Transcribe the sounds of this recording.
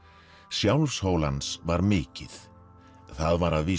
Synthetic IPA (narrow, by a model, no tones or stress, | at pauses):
sjawlfshowlansvaɾmɪːcɪθ | θaðvaɾaðviː